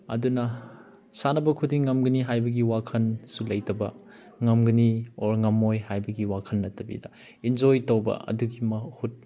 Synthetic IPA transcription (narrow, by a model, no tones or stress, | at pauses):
ɐ̰dunɐ | sanɐbɐkʰudiŋːɐmɡɐniɦajbɐɡiwakʰɐnsulɐjtɐbɐ̰ | ŋɐmɡɐnioɾŋɐmːojhajbɐɡiwakʰɐnːɐtɐbḭdɐ | ind͡ʒojtɐwbɐ̰ɐ̰duɡimɐhut̚